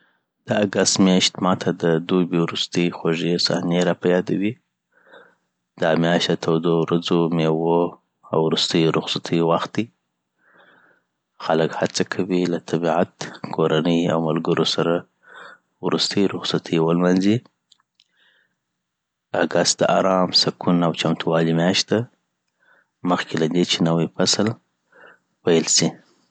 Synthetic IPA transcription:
d̪̥əaɡast̪mjaʃt̪mɑt̪ʰad̪əd̪ubiwɾʊst̪əjxoʒesa̰hneɾapajɑd̪awi | d̪ɑmjɑʃat̪ʰawd̪owɾad͡zomewo | awɾust̪əjɾʊxsat̪ʰəjwaxt̪̚d̪i | xaləkhat͡sakʰawilat̪ʰabiʕat̪kʰoɾanəja̰wmalɡəɾosaɾa | wɾust̪əjɾʊxsat̪ʰəjwəlmanzi | aɡast̪̚d̪əʔaɾɑmsakʰunawt͡ʃamt̪ʰuwɑlimjɑʃt̪̚d̪a | məxkʰelad̪et͡ʃenawəpasl | pajəlsi

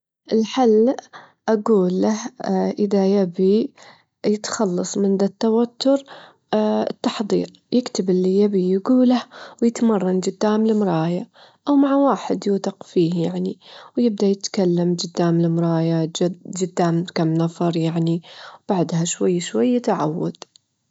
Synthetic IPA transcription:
ʔɪlħalː | ʔaɡuːlːahʔɪðajabi | jɪt̪xɑlːɑsˤmɪnd̪at̪ːawat̪ːʊɾ | ɪt̪ːɑħðˤḭːɾ | jɪkt̪ɪbɪlːijabijɡuːlahwjɪt̪mɑrˤːɑnd͡ʒɪd̪ːaːmlɪmɾˤɑːja | ʔawmaʕawaːħɪd̪juːt̪ɪqfiːhjaʕniwjɪb̚d̪ajɪt̪kalːamd͡ʒɪd̪ːaːmlɪmɾˤɑːjad͡ʒd͡ʒɪd̪ːaːmkamnɑfɑɾˤjaʕniwb̥aʕd̪haʃwajːʃwajːt̪aʕa̰wːa̰d̪̥

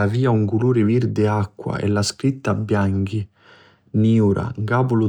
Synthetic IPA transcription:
aviːauŋkuluːɾɪviɾd̪ɪakːwa̰ʔɛ̰lːaskɾit̪ːabjaŋki | niuɾa̰ŋɡaːpʊlu

